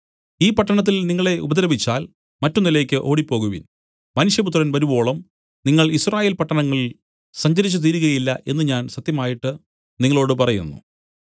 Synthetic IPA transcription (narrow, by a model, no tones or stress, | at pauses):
iːpɐʈːɐɳɐt̪̬ːilniŋːɐɭe̞ʔṵbɐd̪ɐlɐbit͡ɕːaːl | mɐtːunːileːkʲːɨʔo̞ːɽipːo̞ːɣuʋḭn | mɐnuʂjɐp̬ut̪ːrɐnʋɐɾubo̞ːɭɐm | niŋːɐɭisraːje̞ːlpɐʈːɐɳɐŋːɐɭil | sɐɲd͡ʑɐɾit͡ɕːut̪̬iːɾuɣɐjilːɐʔe̞nːɨɲaːnsɐt̪jɐmaːjiʈːɨ | niŋːɐɭo̞ːɽɨpɐrɐjṵnːṵ